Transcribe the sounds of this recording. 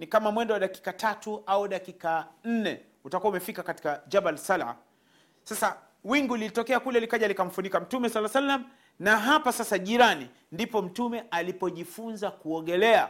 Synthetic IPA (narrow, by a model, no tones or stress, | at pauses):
nikamamwɛndɔwaɗaki̥katʰatuauɗakikan̩nɛ | utakuaumɛfikakati̥kad͡ʒabalsala̰ | sasa | wiŋɡulilitɔkɛakulɛlikaʄalikam̩funikam̩tumɛsalːasalːam̩ | naɦapasasaʄiɾani | ndipɔm̩tumɛʔalipɔʄifunzakuɔɠɛlɛa̰